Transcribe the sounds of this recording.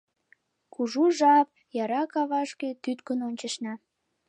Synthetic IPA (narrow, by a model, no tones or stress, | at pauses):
kuʒuʒɑp̚ | jɑɾɑkɑβɑʃket̪yt̪kənonʲt͡ɕəʃnɑ